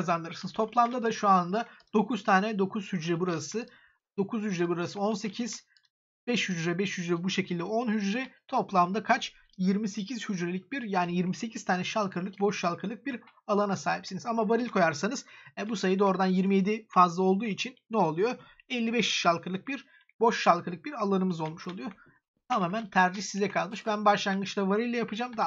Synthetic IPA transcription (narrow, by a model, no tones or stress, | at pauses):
kazand̪ɯɾɯɾsɯnɯzt̪ʰo̞plˠamd̪ad̪aʃuand̪ad̪̥o̞kʰuz̥t̪ʰaːnɛd̪o̞kʰuz̥hyd͡ʒɾɛbuɾasɯ | d̪o̞kʰuzhyd͡ʒɾɛbuɾasɯo̞nsecʰiz̥ | bɛʃhyd͡ʒɾɛbɛʃhyd͡ʒɾɛbuʃe̞cʰilʲd̪ɛo̞nhyd͡ʒɾɛt̪ʰo̞plˠamd̪akʰat͡ʃ | jiɾmise̞cʰizhyd͡ʒɾelʲic̚biɾjaːnijiɾmise̞cʰizt̪ʰaːnɛʃalˠkʰɯɾlˠɯk̚bo̞ʃʃalˠkʰɯɾlˠɯk̚biɾ | alˠanasaːɦipsinizamavaɾɯilʲkʰo̞jaɾsanɯz̥ɛbusajɯd̪o̞ɾd̪anjiɾmije̞d̪ifazlˠao̞lˠd̪uːit͡ʃʰinːɛo̞lˠujo̞ | ɛlʲːibɛʃʃalˠkʰɯɾlˠɯk̚biɾ | bo̞ʃʃalˠkɯlˠɯk̚biɾalˠanɯmɯzo̞lˠmuʃo̞lˠujo̞ | t̪ʰamaːmænt̪ʰæɾd͡ʒiçsizɛkʰalˠmɯʃbænbaʃlˠanɡɯt͡ʃlˠavaɾɯjlʲɛjapʰɯd͡ʒaːmd̪a